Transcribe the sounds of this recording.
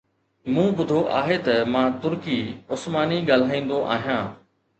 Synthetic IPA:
mũːbʊd̪ʱoʔaːɦet̪ɐmãːt̪ʊɾkiːʊsmaːniɡaːl̤aːĩːn̆d̪oʔaːɦijãː

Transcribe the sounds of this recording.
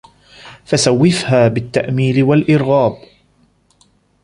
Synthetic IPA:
fasawːɪfhaːbɪt̪ːaʔmiːlɪwalʔɪɾɣaːb

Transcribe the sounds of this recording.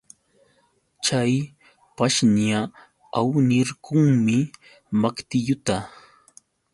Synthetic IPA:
t͡ʃaj | paʃɲa | awnɪɾkʊŋmɪ | makt̪ɪʎʊt̪a

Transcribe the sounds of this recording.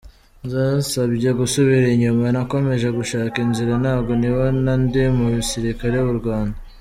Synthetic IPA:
nzaːsabɟeɡusoβiɾeɲumanako̞me̞ʒe̞ɡuʃaːkinziɾanhaːbɡo̞niwanandemuβisiɾikaɾejβuɾɡwaːnda

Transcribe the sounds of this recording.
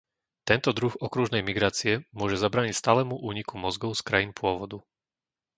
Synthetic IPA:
t̪ɛnt̪ɔd̪ɾuɣɔkɾuʒnɛjmiɡɾaːt͡siɛmʊɔʒɛzabɾaːɲicst̪aːlɛmuʔuːɲikumɔzɡɔʊskɾajiːnpʊɔʋɔd̪u

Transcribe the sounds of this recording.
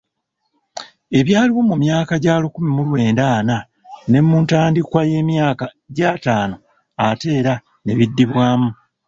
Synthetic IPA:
e̞βjaːliwo̞mumjaːkaɟaːlukumimulwe̞ːndaːna | ne̞mːuːntaːndikwaje̞ːmjaːka | ɟaːtaːno̞ | ate̞ːɾa | ne̞βidːiβwaːmu

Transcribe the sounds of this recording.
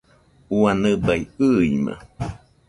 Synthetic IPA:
uanɨbaiɨimã̰

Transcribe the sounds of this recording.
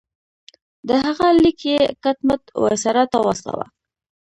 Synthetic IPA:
d̪əhɦaɣalikjekat̪mat̪wa̰saɾat̪awasla̰wa̰

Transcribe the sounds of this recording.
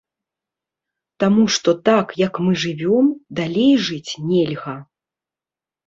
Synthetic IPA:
t̪amuʂt̪ɔt̪akjɐkmɨʐɨvʲɔmd̪alʲejʐɨt͡sʲnʲɛlʲɣɐ

